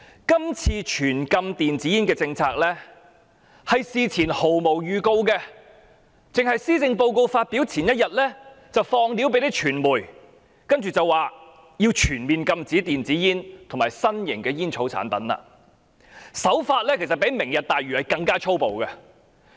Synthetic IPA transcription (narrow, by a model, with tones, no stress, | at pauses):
kɐ˥mt͡sʰiː˧t͡ʃʰyː˨˩nkɐ˧mt̪iː˨nt͡siː˨˥jiː˥nkɛː˧t͡sɪ˧ŋt͡sʰaː˧k̚lɛː˥ | hɐ˨jsiː˨˧t͡sʰiː˨˩nho˨˩wmo˨˩wjyː˨˧ko˧wkɛ˧ | t͡sɪ˨ŋɦɐ˨jsiː˥t͡sɪ˧ŋpo˧wko˧wfaː˧t̚pi˨˥wt͡sʰiː˨˩njɐ˥t̚jɐ˨t̚lɛː˥ | t͡sɐ˨wfɔː˧ŋliː˨˥wpe˧˥jt̪e˥t͡ʃʰyː˨˩nmuː˨˩j | kɐ˥nt͡ʃyː˨t͡sɐ˨waː˨ | jiː˧wt͡ʃʰyː˨˩nmiː˨nkɐ˧mt͡siː˨˥t̪iː˨nt͡siː˨˥jiː˥nt̪ʰo˨˩ŋmaː˨˩jsɐ˥njɪ̰˨˩ŋkɛː˧jiː˥nt͡sʰo˨˥wt͡sʰa̰ː˨˥npɐ̰˨˥nla̰ː˧ | sɐ˨˥wfaː˧t̚lɛː˥kʰe˨˩sɐ˨t̚pe˨˥jmɪ˨˩ŋjɐ˨t̚t̪aː˨jɥyː˨˩hɐ˨jkɐ˧ŋkaː˥t͡ʃʰo˥wpo˨wkɐ˧